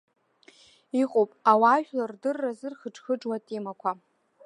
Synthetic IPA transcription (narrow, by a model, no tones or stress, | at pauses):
iqʼopʼawaʒᶣlardɨrːazɨrχəʈ͡ʂʰʼχəʈ͡ʂʼwatʼimakʷʰa